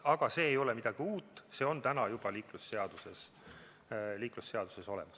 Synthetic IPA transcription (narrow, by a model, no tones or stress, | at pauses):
ɑɡ̥ɑse̞ːjo̞lɛmid̪̥ɑɡ̥iuːt̪ːˑse̞ːo̞nt̪ænɑjub̥ɑliːklusːe̞ɑd̪̥use̞s | liːklusːe̞ɑd̪̥u̥se̞so̞lɛ̰mɑs